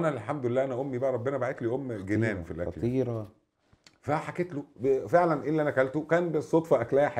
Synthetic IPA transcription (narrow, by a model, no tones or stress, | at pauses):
ʔænælħamd̪ʊelːæːʔænæʔomːibæʔæɾˤɑbːenæbaʕet̪liːʔomːɡenæːmfilʔæ̰lˤiːɾɑ | fæħaket̪lobefeʕlænʔelːiʔænækælt̪okæːnbesˤːot̪ˤfɑʔæklæhæħ